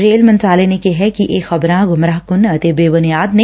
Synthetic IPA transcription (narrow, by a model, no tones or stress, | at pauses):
ɾeːlmɐ̃nt̪ɾaːlenekeɦɛkiʔeːxɐbɾãɡʱʊmɾaːɦkʊnɐt̪ebeːʋənjaːd̪ne